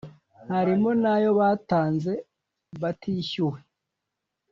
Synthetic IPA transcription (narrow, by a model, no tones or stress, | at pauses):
haɾimonajo̞βaːtaːnze̞ | βatʰiːçuwe